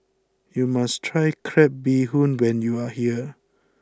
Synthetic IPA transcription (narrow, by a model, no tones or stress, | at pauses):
jumastʰɹajkʰɹɛp̚biɦũnwɛ̃njuahiə